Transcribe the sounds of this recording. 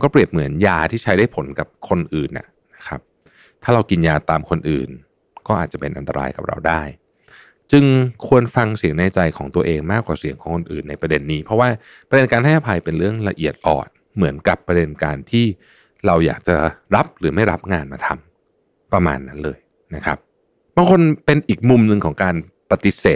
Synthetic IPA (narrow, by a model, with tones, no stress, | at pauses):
kɔː˥˩pɾi˨˩əp̚mɯ˩˦ənjaː˧t̪ʰiː˥˩t͡ɕʰa˦˥jdaː˥˩jpʰo˩˦nka˨˩p̚kʰo˧nʔɯː˨˩nʔa̰˨˩ | na˦˥kʰa̰˦˥p̚ | t̪ʰaː˥˩ɾa˧wki˧njaː˧t̪aː˧mkʰo˧nʔɯ̰ː˨˩n | kɔː˥˩ʔaː˨˩t̪̚t͡ɕa˨˩pe˧nʔa̰˧nt̪a̰˧ɾʔa̰ː˧jka̰˨˩p̚ɾa̰˧wdaː˥˩j | t͡ɕɯ˧ŋkʰu˧ənfa˧ŋsi˨˩˦əŋnaː˧jt͡ɕa˧jkʰɔː˩˦ŋt̪u˧ɐʔeː˧ŋmaː˥˩kwaː˨˩si˩˦əŋkʰɔː˨˩˦ŋkʰo˧nʔɯ̰ː˨˩nːa˧jpɾa˧de˧nːiː˦˥pʰɔ˦˥waː˥˩ | pɾa˧de˧nkaː˧nt̪ʰa˥˩a˦˩pʰa˧jpe˧nɾɯ˥˩əŋla˧ʔi˨˩ət̪̚ʔɔ̰ː˨˩n̚ | mɯ˩˦ənka˨˩pːɾa˧de˧nkaː˧nt̪ʰiː˥˩ | ɾa˧wja̰ː˨˩k̚t͡ɕa˨˩ɾa˦˥p̚ɾɯː˩˦ma˥˩jɾa˦˥p̚ŋaː˧nmaː˧t̪ʰa̰˧m | pɾa˧ma̰ː˧nːa˦˥nlɤː˧j | na˦˥kʰɾa˦˥p̚ | baː˧ŋkʰo˧npe˧nʔiː˨˩k̚mu˧mnɯ˧ŋkʰɔː˩˦ŋkaː˧n | pa˧t̪i˦˥seː˨˩t̪̚